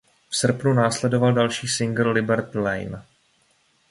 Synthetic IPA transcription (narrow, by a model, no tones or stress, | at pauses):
fsr̩pnunaːslɛdo̞valdalʃiːsɪŋɡl̩ːɪbɛɾt̪lɛ̰jn